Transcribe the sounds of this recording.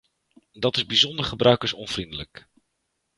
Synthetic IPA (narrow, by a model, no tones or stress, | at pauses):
dɑtɪzbizɔndəɹχəbrœɥkəɹsɔ̰nv̥rindələk